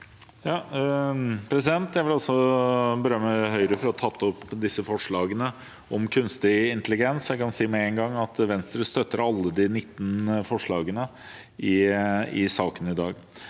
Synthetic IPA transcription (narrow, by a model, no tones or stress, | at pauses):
jɑː | pʰɾɛsɪd̪ɛnt̪jæɪʋɪlɑlsɔbəɾœmːəɦœʏəɾəfɔɾɔt̪ʰɑt̪ʰːɔpːd̪ɪsːəfɔʂɭɑːɡənə | ɔmkʰʉnst̪ɪɪnt̪əlɪɡɛnsjæɪkɑnsiːmɛɛŋɡɑŋːɑt̪ʋɛnst̪ɾəst̪œt̪ːəɾɑlːəd̪ɪnɪt̪ːənfɔʂɭɑːɡənə | ɪɪsɑːkənəɪd̪ɑːɡ